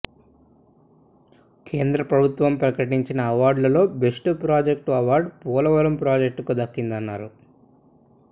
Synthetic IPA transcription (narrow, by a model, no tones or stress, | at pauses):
kʰe̞ːnd̪ɾɐpɾɐbʱut̪ʋɐmpɾɐkɐʈiɲt͡ʃinɐːʋaːɾɖlɐlo̞ːbe̞ʂʈupɾaːd͡ʒek̚ʈuɐʋaːɾɖpuːlɐʋɐɾɐmpɾaːd͡ʒek̚ʈkud̪ɐkːind̪ɐnːaːɾu